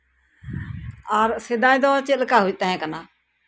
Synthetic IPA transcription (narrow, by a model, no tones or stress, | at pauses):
aːɾsɪd̪aːĩd̪ɔːt͡ʃɪlkaːɦʊd͡ʒt̪əɦɛ̃ːkənaː